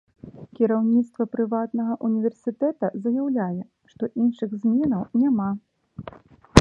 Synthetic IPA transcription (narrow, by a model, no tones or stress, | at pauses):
kʲiɾawnʲit̪st̪vɐpɾɨvat̪nɐɣɐʔunʲivʲɛrsʲɨt̪ɛt̪ɐzɐjawlʲajɛ | ʂt̪ɔʔinʂɨɣzʲmʲɛnɐwnʲama